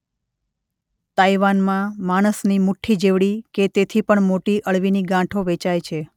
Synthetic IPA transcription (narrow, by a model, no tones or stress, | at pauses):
t̪aiʋanmãmaɽ̃əsnimuʈʰːid͡ʒeʋɽiket̪et̪ʰipəɳmoʈiʔəɭʋiniɡãʈʰoʋet͡ʃajt͡ʃʰe